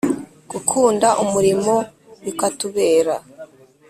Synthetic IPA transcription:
ɡ̥ukʰuːndaʔumuɾimo̞ | ukatuβeːɾa

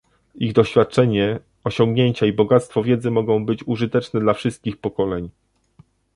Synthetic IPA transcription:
iɣd̪ɔɕfʲjat̪̚t͡ʂɛɲɛ | ɔɕɔ̃ŋɡɲeɲt͡ɕaibɔɡat̪st̪fɔvʲjɛd̪zɘmɔɡɔ̃w̃bɘt͡ɕuʐɘt̪ɛt͡ʂnɛd̪lafʂɘst̪̚kʲixpɔkɔlɛɲ

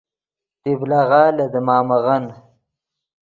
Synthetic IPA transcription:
t̪iblaɣɑːlad̪əmɑːmaɣan

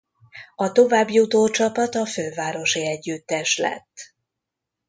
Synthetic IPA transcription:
ɒt̪o̞vaːbjut̪oːt͡ʃɒpɒt̪ɒføːvaːɾo̞ʃiɛɟːyt̪ːɛʃlɛ̰t̪ː

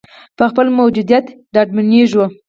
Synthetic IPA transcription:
pəxpəlmawd͡ʒud̪jat̪ | ɖɑɖ̚maniʒwə

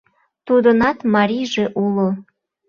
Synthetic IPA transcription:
t̪ud̪ənɑt̪mɑɾijʒeʔulo

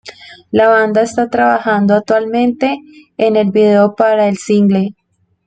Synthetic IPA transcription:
laβand̪aest̪at̪ɾaβaxand̪oak̚t̪walmẽ̞nt̪e̞ːne̞lbiðeopaɾaelsiŋɡle

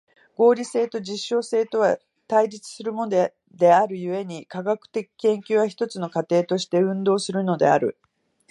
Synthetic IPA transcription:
ɡ̥o̞ːɾʲise̞ːt̪o̞d͡ʑiɕːo̞ːse̞ːt̪o̞βa | t̪aiɾit͡sɨ̥sɨɾɯ̟mond̪ | d̪e̞aɾɯ̟jɯ̟e̞ɲ̟ikaɡakɯ̟̥t̪e̞kʲi̥kẽ̞ŋkʲɨːβaçi̥t̪o̞t͡sɨno̞kat̪e̞ːt̪o̞ɕi̥t̪e̞ɯ̟̃nd̪o̞ːsɨɾɯ̟no̞d̪e̞̰aɾɯ̟̰

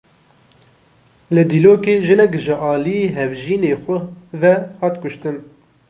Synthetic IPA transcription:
lɨd̪iːloːkeːʒɨnɛkʒɨʔɑːlijeːɦɛvʒiːneːxʷʊvɛhɑːt̪kʊʃt̪ɨn

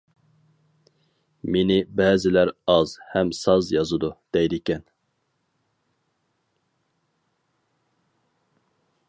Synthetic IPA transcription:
menɪbɛːzɪlæɾɑzhɛmsɑzjɑzɨd̪ud̪̥ɛjd̪ɪkʲɛn

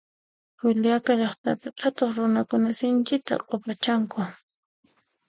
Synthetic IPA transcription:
wɪljakaʎɑχt̪apɪtʰat̪oχɾʊnakʊnasɪnt͡ʃɪt̪a̰qʼopat͡ʃaŋkʊ

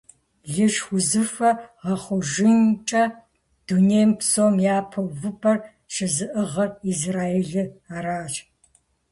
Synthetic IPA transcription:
ɮɨʂxʷʊzɨfɐʁɐχʷʊʒɪnt͡ʃʼɐ | d̥uneːjmpsoːmjaːpʰɐvɨpʰɐr | ʃɐzɨʔɨʁɐizraːeɮɨaːɾaːt͡ʃ

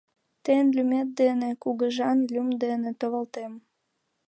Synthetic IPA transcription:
t̪enlʲymet̪̚d̪enekuɣəʒɑnlʲymd̪enet̪oβəlt̪em

